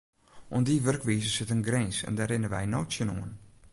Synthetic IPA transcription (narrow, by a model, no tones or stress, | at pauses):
ʔondiʋørkʋiːzəsɪtənɡrɛnsɛ̰ndɛːɾɪnəʋɛ̰jnoːsjənoən